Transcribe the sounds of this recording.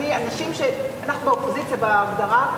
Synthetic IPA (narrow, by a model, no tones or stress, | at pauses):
ianaʃimʃeanaχnubeopozit͡sijabeaɡd̪aʁa